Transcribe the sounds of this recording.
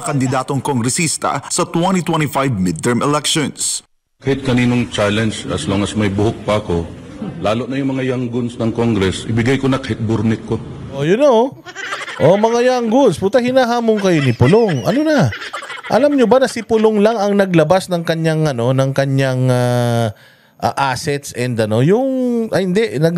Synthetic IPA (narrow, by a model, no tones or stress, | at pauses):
kɐnd̪ɪd̪aːt̪oŋkoŋɡɾɛsist̪ɐ̰sɐt̪wɛnit̪wɛnifajvmɪd̪̚t̪ɛɹmɛlɛkʃons | kahɪt̪̚kɐniːnoŋt͡ʃalɛnd͡ʒɐ̰sloŋɐsmɐjbʊhʊk̚pɐɐko̞laːloʔnɐjʊŋmɐŋajaŋɡʊnsnɐŋkoŋɡɾɛsɪbɪɡajkonɐkɐhɪt̪̚bʊɾnɪkːoʔojʊno | ʔomɐŋajaŋɡʊnspʊt̪ɐhɪnaːɦaːmoŋkɐjonɪpʊloŋʔɐ̰nonɐʔɐ̰lamɲobanɐsɪpʊloŋlaŋɐŋnɐɡlɐbasnɐŋkɐɲaŋʔɐno̞nɐŋkɐɲaŋa | ʔaʔaːsɛt̪sʔɛnd̪ɐno̞jʊŋʔɐhɪnd̪ɛʔnɐɡ